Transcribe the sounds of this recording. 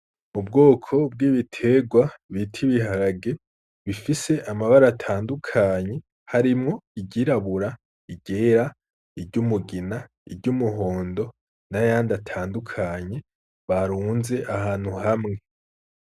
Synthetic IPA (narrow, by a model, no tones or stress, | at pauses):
mub̚ɡo̞ːkʰo̞b̚ɡiːβitʰe̞ɡwaβitʰiβiɦaɾaɡe̞ | βifise̞ʔamaβaɾatʰaːndukʰaɲe̞ | haɾimŋo̞iɟiɾaβuɾa | iɟe̞ɾa | ibɟumuɡina | ḭbɟumuɦo̞ːndo̞ | najaːndatʰaːndukʰaɲe̞ | βaɾuːnze̞ʔahaːn̥huhamŋe̞